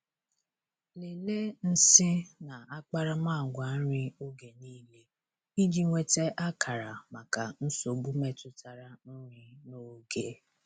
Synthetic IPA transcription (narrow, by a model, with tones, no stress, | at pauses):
le˨le˦n̩˦sɪ˦na˨a˦k͡pa˦ɾa˦maː˦˨ɡʷa˨˦n̩˦ɾɪ˦o˦ɡe˨niː˦le˦ | i˦di˦ŋʷe˦te˦ʔa˦kʰa˨ɾa˨ma˨ka˨n̩˦so˨bu˦me˦tʊ˦ta˨ɾa˨n̩˦ɾɪ˦no˦ɡe˦